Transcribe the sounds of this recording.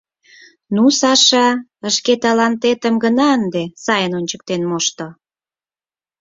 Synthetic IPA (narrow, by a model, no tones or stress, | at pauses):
nusɑʃɑəʃket̪ɑlɑnt̪et̪əmɡənɑənd̪esɑjənonʲt͡ɕək̚t̪enmoʃt̪o